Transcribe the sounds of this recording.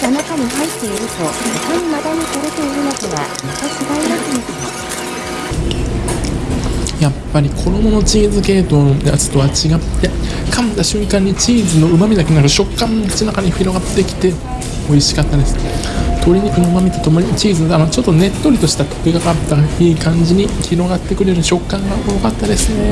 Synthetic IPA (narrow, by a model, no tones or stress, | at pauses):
anakaɲ̟iɦait̪ːe̞iɾɯ̟t̪okaɲimad̪aɲ̟it̪oɾet̪eiɾɯ̟nokoɡa | t̪ːot͡ɕiɡainakɯnisao | japːaɾʲikʰo̞d̪o̞mo̞no̞t͡ɕiːzɨke̞ːt̪o̞ːnojat͡sɨ̥t̪o̞βat͡ɕiɡat̪ːe̞ | kʰamt̪aɕɨ̃ŋkãɲ̟ːit͡ɕiːzɨno̞ɯ̟mamʲid̪akeniaɾɯ̟ɕo̞kːãnkɯ̥t͡ɕinakaɲ̟iɸiɾo̞ɡat̪ːe̞kʲi̥t̪e̞ | o̞iɕi̥kat̪ːad̪e̞sɨ̥t̪o̞ɾʲiɲ̟ikɯ̟no̞ɯ̟mamʲit̪ot̪o̞moɲʲit͡ɕiːzɨnod̪anot͡ɕo̞t̪ːo̞ne̞t̪ːo̞ɾʲit̪o̞ɕi̥t̪at̪o̥keɡakat̪ːaaiːkãɲ̟d͡ʑiɲ̟ikʲiɾo̞ɡat̪ːe̞kɯ̟ɾe̞ɾɯ̟ɕo̞kːãŋɡaʔojokat̪ːad̪e̞sɨne